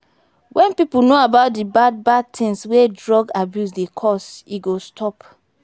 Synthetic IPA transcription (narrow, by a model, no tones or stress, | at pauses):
wʔɛ̃npipunoabaʊt̚dibad̚bad̚tʰĩŋswedɹɔɡabjusdekʰɔsiɡostʰɔp